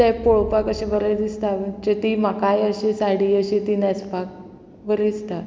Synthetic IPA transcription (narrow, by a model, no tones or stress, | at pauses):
ɛpoɭpakəɕẽbəɾəd̪ist̪abət͡ɕet̪imakajəɕesaɽiəɕit̪inɛspak̚ | bəɾist̪a